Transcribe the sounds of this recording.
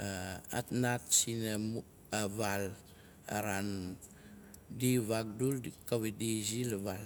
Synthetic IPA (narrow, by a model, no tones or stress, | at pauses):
aa̰tnat̚sinamu | aβal | a̰ɾan | diβak̚dulkawedizilaβal